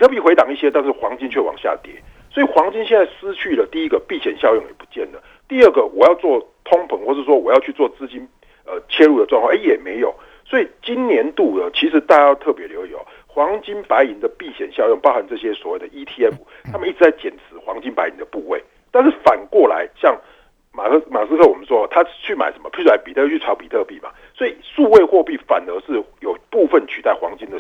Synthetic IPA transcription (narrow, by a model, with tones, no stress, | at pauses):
i˨ɤ˥˩pi˨˩xwe˧˥ɑ˨˩ŋi˥˩ɕjɛ˥t̪a˥˧nʂ̬ɻ̩˥˩xwɑ˧˥ŋt͡ɕi˥˦nt͡ɕʰɥɛ˥˩wɑ̰˨˩ŋɕja̰˥˨t̪jɛ̰˨˦ | swɔ˧˥i˨˩xwɑ˧˥ŋt͡ɕi˥nɕjɛ˥˧nt͡sa˥˩ɪsɹ̩˥t͡ɕʰy˥˩lə˩t̪i˥˩i˦˥ɡə˨pi˥˩ɕjɛ˨˩nɕjɑ˥˧ʊjo˥˩ŋjɛ̰˨˩pu̥˧˦t͡ɕjɛ˥˩nd̪ə˩ | t̪i˥˧ə˥˩ɡə˩wʔɔ̰˨˩jɑ˥˧ʊt͡swɔ˥˩t̪ʰʊ˥ŋpʰə˧˦ŋxwɔ˥˧ʂ̬ɻ̩˥˩ʂ̬wɔ˥wɔ˨˩jɑ˥˧ʊt͡ɕʰy˥˧t͡swɔ˥˨t͡sɹ̩˥t͡ɕi˥n | ə˧t͡ɕʰje˥lu˥˩ə˩ʈ͡ʂwɑ˥˧ŋkʰwɑ˥˨ʔjɛ˨˩me˧˥ɪjo˨˩˦ʊ | swɔ˧˥i˨˩t͡ɕi˦˥nnjɛ˧˥nt̪u˥˩d̪ə˩t͡ɕʰi˧˥ʂɻ̩˧˥t̪a˥˧t͡ɕa˥jʊt̪ʰɤ˥˩pjɛ˧˥ljo˧˥ʊi˨˩ɔ̰˨˦ | xwɑ˧˦˥ŋt͡ɕi˥npa˧˥ɪi˧˦˥ŋd̪ə˨pi˥˨ɕjɛ˨˩nɕjɑ˥˧ʊjŋpɑ˥ʊha˨nʈ͡ʂɤ˥˩ɕjɛ˦swɔ˨˩we˥˩ɪd̪ə˩ʔi˥t̪ʰi˥ɛ˦˥fu˨˩t̪ʰa˥mə˨ni˥˩ʈ͡ʂ̩˧˩t͡sa˥˩ɪt͡ɕjɛ˨˩nt͡s̩ʰ˧˦xwɑ˧˦ŋt͡ɕi˦npa˧˥ɪi˧˦ŋd̪ə˨pu˥˧we˥˩ɪ | t̪a˥˧nʂ̬̩˥˩fa˨˩nkwɔ˥˩la̰˧˦ɪɕjɑ˥˩ŋ | ma˨˩˥ma˨˩sɹ̩˥kʰɤ˥˩˨wɔ˨˩mə˦nʂwɔ˦˥˨t̪ʰa˦˥t͡ɕʰy˥˩ma̰˨ɪʂə˨˦nmə̰˧pʰy˥˩˥a˧˥npi˨˩t̪ʰɤ˥˧t͡ɕʰy˥˩ʈ͡ʂʰɑ˧˥ʊpi˨˩t̪ʰɤ˥˧pi˥˩ma̰˩ | swɔ˧˥i˨˩ʂu˥˧we˥˧ɪxwɔ˥˧pi˥˩fa̰˨˩nə˧˦ʂɻ̩˥˩jo˨˩ʊpu˥˧fə˥˨nt͡ɕʰy˨t̪a˥˩ɪxwɑ̰˧˥ŋt͡ɕi˥˦nd̪ə˨